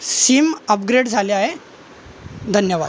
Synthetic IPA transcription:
siːməp̚ɡɾeɽd͡zʱaleaɦe | d̪ʱənjəʋa̰d̪

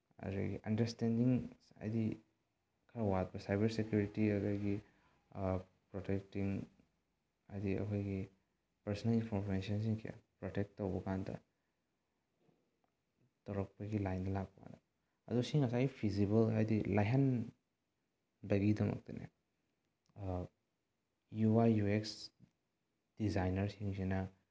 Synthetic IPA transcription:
ɐ̰ɾḛɡḭʔɐndɐɾstendiŋa̰jdi | kʰɐɾawat̚bɐsajbɐɾsekjuɾitiɐzaɡi | pɾotek̚tiŋ | ajdiɐ̰kʰojɡi | pɐɾsɔnɐlinpʰɔɾmes̬iɐns̬iŋkʰija̰pɾotek̚tːɐwbɐkandɐ̰ | tɔɾɔk̚pɐɡilajndɐlak̚pa̰dɐ | ɐ̰dusiŋɐsaipʰizibɐlɦajdilajɦan | dɐɡidɐmɐ̰k̚tḭnʔḛ | juajjueks | d̥izajnɐɾsiŋsina

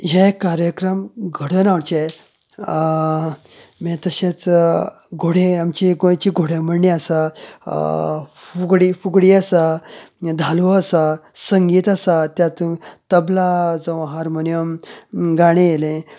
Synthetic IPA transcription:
ɦekaɾjəkɾəmɡʱəɽənaɽt͡ɕe | mẽt̪əɕẽt͡s | ɡʱoɽ̤ẽamt͡ɕiɡot͡ɕiɡʱoɽẽməɳːẽasa | fuɡɽifuɡɽiasa | d̪ʱaluəsasəŋɡiːt̪asat̪jat̪ũt̪əblad͡zəʋɦaɾmonijəmɡaɽ̃ejelẽ

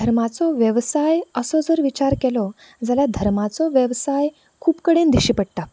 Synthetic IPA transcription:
d̪ʱəɾmat͡sɔʋjəʋsajəsɔd͡zəɾʋit͡ɕaɾkɛlɔ | d͡zalad̪ʱəɾmat͡sɔʋjəʋsaj | kʰuːpkəɽend̪iɕipəɽt̪a

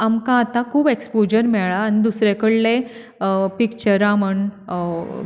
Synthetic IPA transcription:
amkãːt̪ãkʰuːbekspod͡ʑəɾmɛɭaːnid̪usɾekəɽle | pikt͡ɕəɾãməɳ

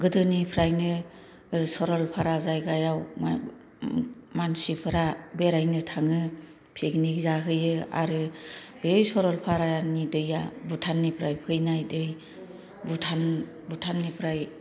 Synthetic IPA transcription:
ɡɯdɯnipʰɾajnɯ | sɔɾɔlpʰaɾazajɡajaw̰ | mansipʰɯɾabeɾajnɯtʰaŋɯ | pʰeɡnikzaɦɯjɯa̰ɾɯ | besɔɾɔlpʰaɾajanidɯjabutʰanːipʰɾajpʰɯjnajdɯj | butʰan | butʰanːipʰɾaj

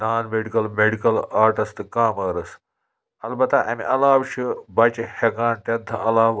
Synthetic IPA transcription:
naːnmeɽikɐlmeɽikɐlaːɾʈɐst̪ɨkaːmɐɾɐs | ɐlbɐt̪aʔɐ̰mḭʔɐlaːʋɕɨbat͡ʃihekaːnt̪ʲɐd̪ʱɐ̰ɐlaːʋ

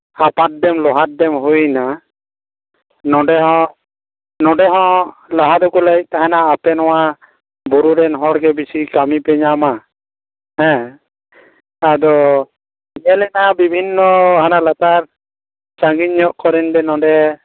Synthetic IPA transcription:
apat̪̚d̪ɛmlɔɦat̪̚d̪ɛmɦujna | nɔ̃ɖɛɦɔ̃ | nɔ̃ɖɛɦɔ̃lɔɦad̪ɔkulait̚ˀt̪aɦɛnaːpɛnɔwa | buɾuɾɛnɦɔɾɡɛbisikamipɛɲama | hɛ̃ | ad̪ɔ | iɲɛlɛnabibʱinːɔɦanalat̪aɾ | t͡ʃaŋɡiɲːɔʔkɔɾɛndɛnɔ̃ɖɛ

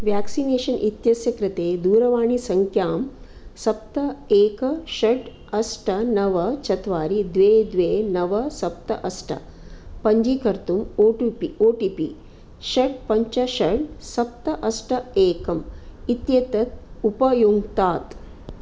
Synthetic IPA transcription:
ʋjaːksineːʃɐnʔit̪jɐsjɐkɾɪt̪eːd̪uːɾɐʋaːɳ̃isɐŋkʰjaːm | sɐp̚t̪ɐeːkɐʃɐɖ | ɐsʈʰɐnɐʋɐt͡ʃɐt̪ʰʋaːɾid̪ʋeːd̪ʋeːnɐʋɐsɐp̚t̪ɐ̰ʔɐsʈʰɐ̰ | pɐɲd͡ʒiːkɐɾt̪umoːʈupioːʈiːpḭ | ʃɐɖ̚pɐɲt͡ʃɐʃɐɽsɐp̚t̪ɐʔɐsʈʰɐeːkɐmit̪jeːt̪ɐt̪̚upɐjoːɡt̪aːt̪

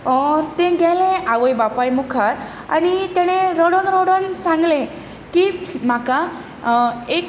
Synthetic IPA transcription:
ɔɾt̪ẽɡɛlẽaʋəjbapajmukʰaɾ | a̰nit̪ẽɽ̃ẽɾɔɽɔnɾɔɽonsãŋɡlẽ | kim̤aka | ek

